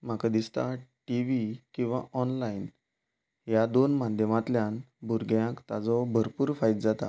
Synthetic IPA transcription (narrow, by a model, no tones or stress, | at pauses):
m̤akad̪ist̪aʈiʋikĩw̃ʋaʔɔnlain | ɦjad̪onmad̪ʱjəmat̪ljãn | bʱuɾɡjãkt̪ad͡zɔbʱəɾpuːɾfajt̪̚d͡zat̪a̰